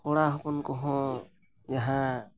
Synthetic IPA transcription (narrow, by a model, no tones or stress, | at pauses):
kɔɽaɦɔkɔnkɔɦɔ̃ | jaɦã